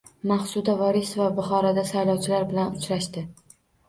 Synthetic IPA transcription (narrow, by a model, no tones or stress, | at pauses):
maχsʊd̪avɒɾisvabʊχɒɾad̪asajlɒwt͡ʃʰɪlaɾbɪlanʊt͡ʃɾaʃt̪ɪ